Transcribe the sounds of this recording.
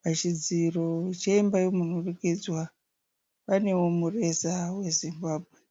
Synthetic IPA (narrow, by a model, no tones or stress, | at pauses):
pat͡ʃid͡zirot͡ʃeimbaijomunurukid͡zwa | pane̞wo̞mure̞sawe̞zimbaːbʱwe